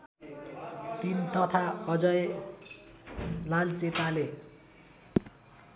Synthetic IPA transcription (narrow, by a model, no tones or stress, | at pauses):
t̪int̪ʌt̪ʰaʌd͡zʌj | lalt͡set̪ale